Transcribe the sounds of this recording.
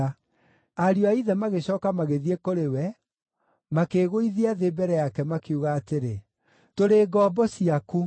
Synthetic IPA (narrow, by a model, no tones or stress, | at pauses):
aɾjoaiðɛmaɣeɕɔːkamaɣeðiekoɾewɛ | makeːɣoiðiaðebɛɾɛjakɛmakeuɣaːteɾe | toɾeːɡɔːbɔsiaku